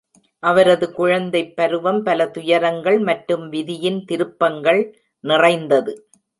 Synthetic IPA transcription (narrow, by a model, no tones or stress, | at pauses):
ʔɐʋɐɾɐðɯkʊɻɐnd̪ɐɪpːɐɾɯʋɐmpɐlɐt̪ʊjɐɾɐŋɡɐɭmɐʈɾɯmʋɪðɪjɪnt̪ɪɾɯpːɐŋɡɐɭ | nɪrɐɪnd̪ɐðɯ